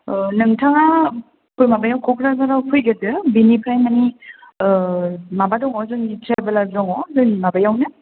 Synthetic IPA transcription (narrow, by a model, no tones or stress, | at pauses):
nɯŋtʰaŋa | pʰɔjmabajawkʰɔkʰɾazaɾawpʰɯjɡɯdɯbinipʰajmani | mabadɔŋɔzɯŋitʰabalaɡzɔŋɔzɯimabajawnɯ